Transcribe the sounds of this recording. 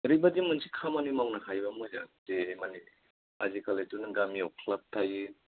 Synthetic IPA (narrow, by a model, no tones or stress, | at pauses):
ɾibadimɯnsi̥kʰamanimawnahajbamujzatemani | azikʰalejtunaɡamiɔwkʰlap̚tʰaji